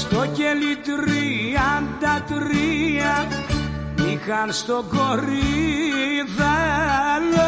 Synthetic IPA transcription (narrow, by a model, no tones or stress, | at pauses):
st̪ocelit̪ɾiɐnd̪ɐt̪ɾiɐ | ixɐnst̪oɡoɾi | ðelo